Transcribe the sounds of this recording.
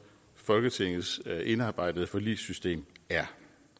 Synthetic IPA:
fɒ̽lɡ̥ət͡sʰe̝ŋ̰ð̩ˠsʔe̝nɑ̈ːb̥ɑ̈ɪ̰d̥əð̞̩ˠəfɒ̽lḭːsysd̥e̝̰ːmæɐ

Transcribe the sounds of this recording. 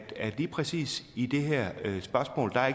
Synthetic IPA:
d̥æliːpʰʁɛsḭːsid̥e̝ɦɛɐ̰sb̥ɶɐsmɔ̰ːld̥ɑ̈e

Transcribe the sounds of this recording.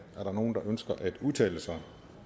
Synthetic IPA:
æɐɾɑ̈no̝ːn̩d̥ɑ̈ʔønsɡ̥ɐʔæd̥uðˠt͡sʰɛ̰ːləsɑ̈ɪ

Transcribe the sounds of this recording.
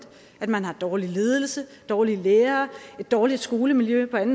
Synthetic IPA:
d̥ | æd̥mænɦɑ̈d̥ɒːlile̝ːð̞ˠəl̩səd̥ɒːlileːɐːe̝d̥ːɒːlid̥sɡ̥o̝ːləmiljøpʰɒ̽æn̩

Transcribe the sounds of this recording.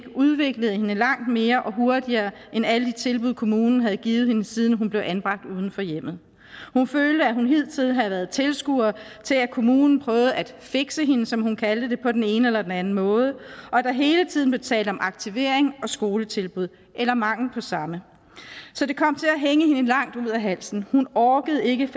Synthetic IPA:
ɡ̥uðˠʋe̝ɡ̥ləð̞̩ˠhe̝nəlɑ̈ŋ̰d̥me̝ːɐʔɒ̽ɦo̝ɐd̥iɐː | ʔenæləd̥it͡sʰe̝lb̥uð̞̰ˠkʰo̝muːnn̩ɦæð̞ˠɡ̥iːð̩ˠhe̝nəsiːð̞ˠn̩ɦunb̥le̝ʊʔænb̥ʁɑ̈ɡ̥̚d̥uːð̞ˠn̩fɒ̽jem̰ð̩ˠ | hunføːld̥əæhunɦe̝ð̞̰ˠt͡sʰiðˠnɦæðˠʋæɐð̞ˠt͡sʰe̝lsɡ̥uɐt͡sʰe̝lækʰo̝muːnn̩pʰʁœːʊð̞̩ˠæd̥fe̝ɡ̥səɦe̝nəsɒ̽mhunkʰæld̥əd̥e̝pʰɒ̽d̥ene̝ːnəelɐd̥enænn̩mɔ̽ːð̞ˠəʔɒ̽æd̥aɦe̝ːlət͡sʰið̰ˠn̩b̥leʊt͡sʰɛ̰ːld̥ɒ̽mʔɑ̈ɡ̥̚t͡sʰiʋe̝ɐ̰eŋɒ̽sɡ̥o̝ːlət͡sʰe̝lb̥uð̞̰ˠ | ʔelɐmɑ̈ŋ̰l̩pʰɒ̽sɑ̈mə | sɒ̽de̝kʰɒ̽m̰t͡sʰe̝æɦeŋəhe̝nəlɑ̈ŋ̰d̥uð̰ˠæɦæl̰sn̩hunɒːɡ̥əð̞̩ˠe̝ɡ̥ə

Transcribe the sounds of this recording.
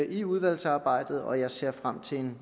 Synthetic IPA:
ʔiuð̞ˠʋæl̰sɑ̈ːb̥ɑ̈ɪ̰d̥ð̞̩ˠɒ̽jɑ̈ɪse̝ɐ̰fʁam̰t͡sʰe̝en

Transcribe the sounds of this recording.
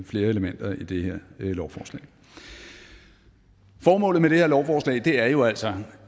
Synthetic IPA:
fle̝ːɐe̝ləmen̰d̥ɐid̥e̝heɐ̰lɒʊfɒ̰ːslɛ̰ɪ | fɒːmɔ̰̽ːlð̩ˠmeɾ̥e̝heɐlɒʊfɒːslɛ̰ɪd̥e̝æɐjo̝æl̰sɒ̽

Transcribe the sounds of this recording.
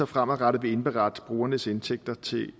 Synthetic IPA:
ɒfʁamæʁɑɾ̥ʋe̝e̝nb̥eʁɑ̈d̥b̥ʁuːɐnəse̝nt͡sʰeɡ̥̚d̥ɐt͡sʰe̝

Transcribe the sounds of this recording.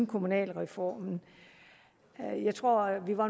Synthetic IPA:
nkʰo̝munɛ̰ːlʁɛfɒ̰ːmn̩ | jɑ̈ɪt͡sʰʁo̝ɐ̰ʋiʋɑ̈

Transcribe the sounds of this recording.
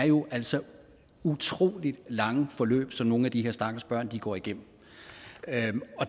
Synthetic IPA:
æɐjo̝ʔæl̰sɒ̽ | ut͡sʰʁo̝̰ːlid̥lɑ̈ŋəfɒ̽lø̰ːb̥sɒ̽mno̝ːn̩æd̥iɦe̝ɐ̰sd̥ɑ̈ːɡ̥̩sb̥ɶɐ̰nd̥iɡ̥ɒ̰ːiɡ̥em̰m̩ | ɒ̽

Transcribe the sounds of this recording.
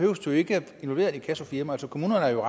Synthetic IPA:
hø̰ʊəsd̥o̝e̝ɡ̥ə | e̝nʋɒ̽lʋe̝ːɐikʰæsofiɐmælsɒkʰo̝muːnɐnəæɐjo̝ʁɑ

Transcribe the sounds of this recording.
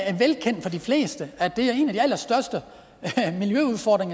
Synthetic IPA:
æɐʋelkʰen̰d̥fɒ̽difle̝̰ːsd̥əæd̥e̝æɐe̝̰ːnæd̥iæl̰ɐsd̥ɶɐsd̥ə | miljøuð̞ˠfɒːd̥ʁeŋ

